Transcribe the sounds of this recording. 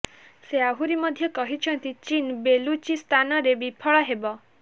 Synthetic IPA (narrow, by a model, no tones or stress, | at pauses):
seaɦuɾimɔd̪ʱjɔkɔɦit͡ʃʰɔnt̪it͡ʃinbelut͡ʃist̪ʰanɔɾebipʰɔɭɔɦebɔ